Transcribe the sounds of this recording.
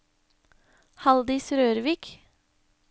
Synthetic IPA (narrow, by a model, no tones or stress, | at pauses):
hɑld̪ɪsɾøːɾʋiːk